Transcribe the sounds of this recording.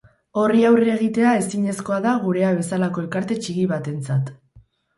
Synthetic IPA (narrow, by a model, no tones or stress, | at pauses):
o̞riawrie̞ɣ̞it̪e̞ae̞siɲe̞sko̞aðaɣ̞uɾe̞aβ̞e̞salako̞e̞lkaɾt̪e̞t͡ʃiɣiβat̪e̞nt͡sat̪